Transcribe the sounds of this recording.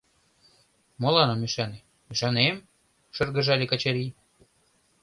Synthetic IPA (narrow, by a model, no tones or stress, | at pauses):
molɑnɑmyʃɑnem | yʃɑnem | ʃɤ̆rɣɤ̆ʒɑlʲekɑt͡ɕɑɾi